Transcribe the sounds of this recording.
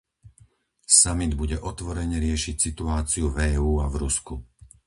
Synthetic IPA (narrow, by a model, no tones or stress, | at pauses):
samid̪buɟɛʔɔt̪ʋɔɾɛɲɛɾɪɛʃicsit̪uaːt͡siuvɛːuːavɾusku